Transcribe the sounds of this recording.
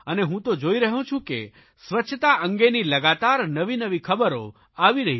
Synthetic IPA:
əneɦũt̪od͡ʒoiɾəɦũt͡ʃʰũkḛ | sʋət͡ʃʰət̪aʔə̃ŋɡeniləɡat̪aɾnəʋinəʋikʰəbəɾo̰ | aʋiɾəɦi

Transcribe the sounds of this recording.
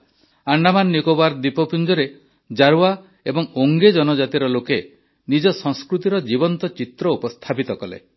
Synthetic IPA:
aɳɖamanːikobaɾd̪ipɔpʰind͡ʒɔɾe | d͡ʒaɾua | ebɔŋoŋɡed͡ʒɔnɔd͡ʒat̪iɾɔloke | nid͡ʒɔsɔ̃ŋskɾut̪iɾɔd͡ʒibɔnt̪ɔt͡ʃit̪ɾɔupɔst̪ʰapit̪ɔkɔlḛ

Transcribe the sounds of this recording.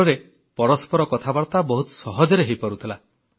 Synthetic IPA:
ɔɾe | pɔɾɔspɔɾɔkɔt̪ʰabaɾt̪abɔɦut̪ɔ̥sɔɦɔd͡ʒɔɾeɦejpɔɾut̪ʰila

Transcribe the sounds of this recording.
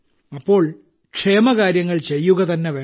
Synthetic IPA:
ɐpːo̞ːɭ | kʂe̞ːmɐkaːɾjɐŋːɐɭt͡ɕe̞jːuɣɐt̪ɐnːeʋeː

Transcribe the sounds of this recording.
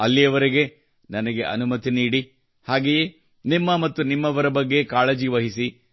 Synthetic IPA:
ɐlːijɐʋɐɾiɡe̞ | nɐnɐɡeʔɐ̰numɐt̪iniːɽi | haːɡeje | nimːɐmɐt̪ːunimːɐʋɐɾɐbɐɡːe̞kaːɭɐd͡ʒiʋɐɦisi

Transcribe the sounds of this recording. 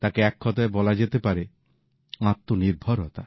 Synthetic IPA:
t̪akeɛkʰːɔt̪aebɔlad͡ʑet̪epaɾe | ãt̪ːoniɾbʱɔɾɔt̪a

